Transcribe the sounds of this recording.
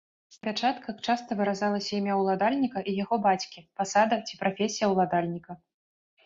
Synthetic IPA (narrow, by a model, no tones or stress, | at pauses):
zpʲat͡ʂat̪kɐxt͡ʂast̪ɐvɨɾazalˠɐsʲɐimʲjawlˠad̪alʲnʲikɐʔijaɣɔbat͡sʲkʲipasad̪ɐt͡sʲi̥pɾafʲesʲijɐwlˠad̪alʲnʲikɐ